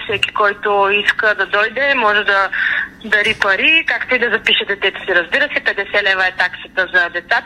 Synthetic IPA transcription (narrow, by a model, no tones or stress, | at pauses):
fsɛkʲi̥kɔjt̪oiskəd̪ɐd̪ɔjd̪ɛmɔʒɛd̪ɐd̪ɐɾipɐɾikakt̪oid̪ɐzɐpiʃɛd̪ɛt̪ɛt̪o̥siɾɐzbiɾəsɛpɛd̪ɛsɛlɛvəɛt̪aksət̪əzɐd̪ɛt̪sat̪